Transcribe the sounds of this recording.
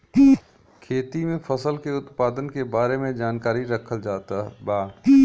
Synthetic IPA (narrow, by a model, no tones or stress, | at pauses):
kʰeːt̪imẽfʰɐsəlkeʊt̪paːd̪ənkebaːɾemẽd͡ʒaːnkaːɾiɾɐkʰəld͡ʒaːt̪abaː